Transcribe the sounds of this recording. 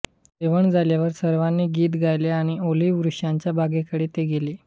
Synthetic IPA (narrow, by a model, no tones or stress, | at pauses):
eʋəɳd͡zʱaljaʋəɾsəɾʋanːiːɡiːt̪ɡʱajleaɽ̃ioliʋɾuʂjaɲt͡ɕjabʱaɡekəɽiːt̪eɡeleː